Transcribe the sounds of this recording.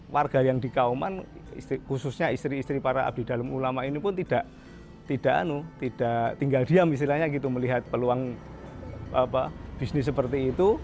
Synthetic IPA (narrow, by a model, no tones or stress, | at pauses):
warɡ̥a̤jaŋd̥ikauma̰n | ḭst̪ikusʊsɲaist̪ɾiːst̪ɾipaɾaa̰b̚d̥i̤d̥alamulamaʔinipʊnt̪id̥a̤ʔ | t̪id̥a̤ʔa̰nut̪id̥a̤ʔt̪iŋɡald̥iamist̪ilahɲaɡit̪uməliɦat̪̚pəluaŋ | apab̥isnɪs̬ːəpərt̪iːt̪u